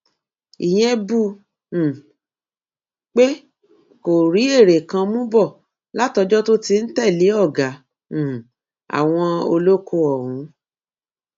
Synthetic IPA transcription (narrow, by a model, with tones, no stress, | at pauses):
ḭ˨j̃ɛ̃˧bũ˦˨ | k͡pe˦ | ko˨ɾi˨˦e˦˨ɾe˨kã˧mũ˦bɔ˦˨ | la˦tɔ˧d͡ʒɔ˦to˦ti˧n̩˦tɛ˦˨li˨˦ɔ˦˨ɡã˨˦˨ | a̰˨w̃ɔ̃˧o˧lo˦ko˧ɔ˨wũ˨˦